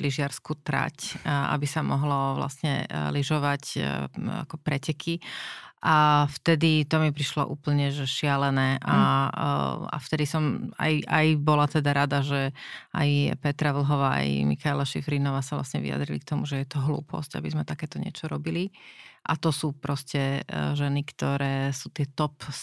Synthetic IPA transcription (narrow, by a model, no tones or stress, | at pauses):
liʒɪaɾskuːt̪ɾa̰cʔa̰bisamɔɦlɔʋla̰sɲɛ̰liʒɔʋac | a̰kɔpɾɛcɛkʰiʔaft̪ɛd̪it̪ɔmipɾiʃlɔ̰ʔuːpl̩ɲɛʒɛʃɪalɛnɛːʔa | a̰ft̪ɛd̪isɔma̰jʔajbɔlat̪ɛd̪aɾad̪aʒɛa̰jpɛt̪ɾaʋl̩ɦɔʋaːa̰jmḭxajlaʃḭfɾiːnɔʋaːsaʋla̰sɲɛʋḭa̰d̪ɾilḭk̚t̪ɔmuʒɛjɛt̪ɔɦlṵːpʰɔ̰sca̰bizmɛt̪akɛːt̪ɔɲɪɛ̰t͡ʃɔɾɔbiliʔa̰t̪ɔsuːpɾɔscɛʒɛnikt̪ɔɾɛːsuːt̪ɪɛt̪ɔp